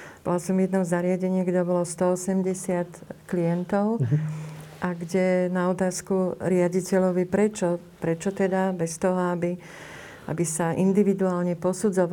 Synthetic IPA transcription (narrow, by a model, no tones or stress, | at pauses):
b̥ɔlasɔmjɛd̪nɔzaɾɪaɟɛɲɪɛɡɟɛbɔlɔst̪ɔɔsɛmɟɛsɪat̪kliɛnt̪ɔʊ | ʔaɡɟɛnaɔt̪aːskuɾɪaɟicɛʎɔʋipɾɛt͡ʃɔ | pɾɛt͡ʃɔt̪ɛd̪abɛst̪ɔɦɔabi | ʔa̰bisaʔind̪iʋid̪uaːlɲɛpɔsud͡zɔʋ